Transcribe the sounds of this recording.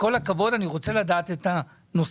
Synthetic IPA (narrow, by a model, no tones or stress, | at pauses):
ko̞lakavo̞daniʁo̞t͡se̞ladaːt̪et̪a | no̞s